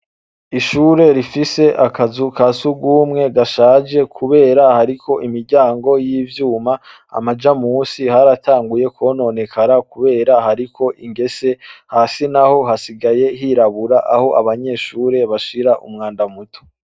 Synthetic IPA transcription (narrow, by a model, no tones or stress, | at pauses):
iʃuːɾe̞ɾifise̞ʔakazukʰasuɡuːmŋe̞ɡaʃaːd͡ʒe̞kʰuβe̞ːɾahaɾikʰo̞ʔimiɾɟaːŋɡo̞jiːvjuːma | a̰mad͡ʒamuːsihaɾatʰaːŋɡuje̞kono̞ne̞kʰaɾakuβe̞ːɾahaɾikʰo̞ʔiŋɡe̞se̞haːsinaho̞ɦasiɡaje̞ɦiɾaβuɾaʔaho̞ʔaβaɲe̞ːʃuːɾe̞βaʃiɾaʔumŋaːndamutʰo̥